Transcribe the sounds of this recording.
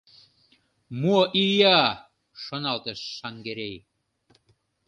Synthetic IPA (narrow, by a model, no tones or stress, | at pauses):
moʔijɑ | ʃonɑlt̪eʃːɑŋɡeɾej